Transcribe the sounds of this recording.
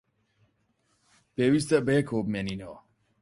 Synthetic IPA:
b̥ɛwist̪ɛʔbɛkʰopmɛninɔ

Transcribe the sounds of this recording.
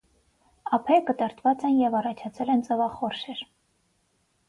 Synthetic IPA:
ɑpʰɛkət̪əɾt̪ʰvɑt͡sɛnjɛvɑrɑt͡ʃʰɑt͡sʰɛlɛnt͡sɛvɑχɔrʃɛɾ

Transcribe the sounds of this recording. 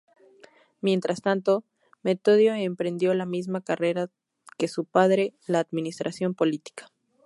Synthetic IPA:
mje̞nt̪ɾast̪ant̪o̞ | me̞t̪oðjo̞empɾe̞nd̪jo̞lamizmakare̞ɾa | ke̞supaðɾe̞laːd̪mĩnist̪ɾʔasjo̞mpo̞lit̪i̥kḁ

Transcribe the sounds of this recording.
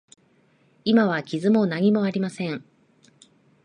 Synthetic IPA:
imaβ̞akʲizɨmo̞naɲ̟imo̞aɾʲimasẽ̞ɴ

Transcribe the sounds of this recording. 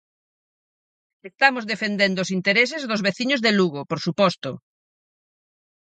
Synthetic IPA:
est̪amozðefend̪end̪oosint̪eɾes̬ezðozβeθiɲozðeluɣ̞opoɾsupɔst̪o

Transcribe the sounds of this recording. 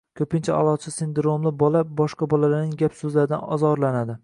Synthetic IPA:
kʲʰɵpɪnt͡ʃʰaɒ̰lˠɒt͡ʃʰɪsɪnd̪ɾomlɪbɒlabɒʃqɑbɒlalaɾnɪŋɡʲapsɵzlaɾɪd̪a̰nɒ̰zɒɾlanad̪ɪ

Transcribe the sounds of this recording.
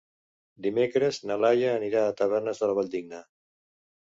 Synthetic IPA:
d̪imekɾəznalajaːniɾaːt̪əβɛrnəzðəlβaʎʲd̪iɡna

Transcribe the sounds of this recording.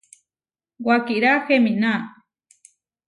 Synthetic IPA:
wakiʔɾaxemina

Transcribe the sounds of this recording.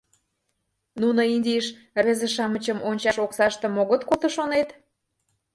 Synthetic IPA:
nunəinʲdʲijəʃ | rezə̆ʃɑmət͡ɕəmonʲt͡ɕɑʃoksɑʃt̪əmoɣət̪kot̪ə̆ʃonet̪

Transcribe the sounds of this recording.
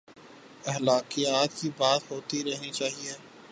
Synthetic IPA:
ɛɦlaːqijaːt̪kibaːt̪ɦoːt̪iɾɛɦnit͡ʃaːɦieː

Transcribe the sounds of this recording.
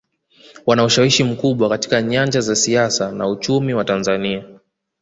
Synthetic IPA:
wanauʃawiʃim̩kuɓwakati̥kaɲaɲd͡ʒazasiasanaut͡ʃumiwatanzania

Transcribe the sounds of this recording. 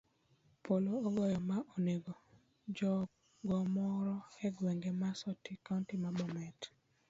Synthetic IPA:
pʰoloːɡɔjɔmaʔoneɡo | d͡ʒɔ | ɡɔmɔɾɔɛɡwɛŋɡemasɔtikauntimabɔmɛt

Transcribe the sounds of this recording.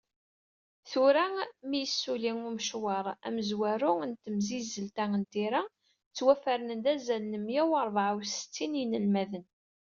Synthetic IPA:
θuɾæmijəsːuliŋuməʃwɑɾˤæ̰məzwæɾʊənt̪əmzizəlt̪æənt̪iɾæ | t͡sːwæfəɾənənd̪æzælnəmjæwɑɾˤvʕwsə̥t͡sːinjnəlmæðən

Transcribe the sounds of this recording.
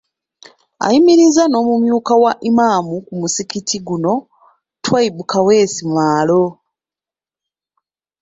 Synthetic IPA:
a̰jimiɾizano̞ːmumjuːkawaʔimaːmukumusikitʰiɡuno̞ | twaibukʰawe̞ːsimaːlo̞

